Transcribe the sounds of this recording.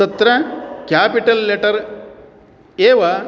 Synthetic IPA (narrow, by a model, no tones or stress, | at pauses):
ɐt̪ɾɐkjaːpiʈɐlːeʈɐɾ | eːʋɐ